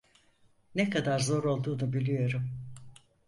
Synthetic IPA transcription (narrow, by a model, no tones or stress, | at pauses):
nekʰad̪aɾzo̞ɾo̞lˠd̪uːnubilʲijo̞ɾum